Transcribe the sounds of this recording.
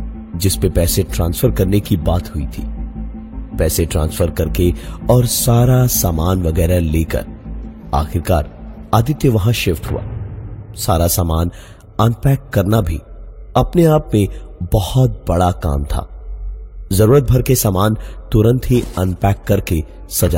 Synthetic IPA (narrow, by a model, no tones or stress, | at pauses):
d͡ʒɪspepɛːseʈɾãːnsfʰəɾkɐɾnekibaːt̪ɦʊḭt̪ʰḭː | pɛːseʈɾãːnsfəɾkɐɾkeɔːɾsaːɾasaːmaːnʋɐɡɛːɾaleːkɐ̰ɾa̰ːxɪɾka̰ːɾaːd̪ɪt̪jəʋɐɦãʃɪft̪ɦṵa̰ːsaːɾasaːmaːn | ɐnpɛːkːɐɾnabʱḭːɐpneaːpmẽbɐhɔt̪̚bɐɽaka̰ːmt̪ʰa̰ː | zɐɾuːɾət̪̚bʱɐɾkesaːmaːnt̪ʊɾə̃nt̪ɦiɐnpɛːkːɐɾke | sɐd͡ʒa̰ː